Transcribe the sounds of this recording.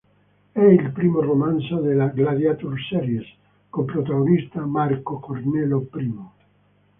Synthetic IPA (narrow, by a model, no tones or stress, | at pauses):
ɛilpɾimoromãnsoðelaɡlaðjat̪uɾsɛɾjes | kompɾot̪aɣonist̪amaɾkokoɾnɛlopɾimo